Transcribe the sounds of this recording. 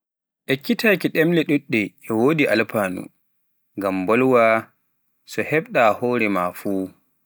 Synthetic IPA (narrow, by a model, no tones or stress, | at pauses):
ʔɛkːitaːkiɗɛmlɛɗuɗːɛʔːwodiʔa̰lpaːnṵ | ŋɡambɔlwa | sɔhɛɓɗahɔːɾɛmafuː